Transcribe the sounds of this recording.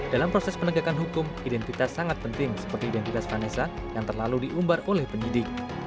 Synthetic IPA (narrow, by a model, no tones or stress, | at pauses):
d̥alampɾosɛspənəɡakanɦukʊmidɛnt̪it̪asːaŋat̪̚pənt̪ɪŋsə̥pərt̪iːdɛnt̪it̪asfanesa | jaŋt̪ərlaludiʔumbarolɛhpəɲidɪk̚